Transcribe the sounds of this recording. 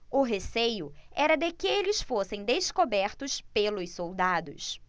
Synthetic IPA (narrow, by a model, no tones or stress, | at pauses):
ʊɦesejʊɛɾɐd̪ɪkɪelɪsfosẽj̃d̪eskobɛɾt̪ʊspelʊssowd̪ad̪ʊ̰s